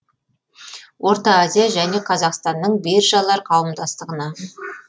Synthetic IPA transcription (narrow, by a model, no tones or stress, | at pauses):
wʔo̞ɾt̪ɑazʲijaʒæne̞qʰɑzɑqst̪ɑnːəɴbe̞ɾʒɑlˠɑɾqʰɑwəmd̪ɑst̪əʁənɑ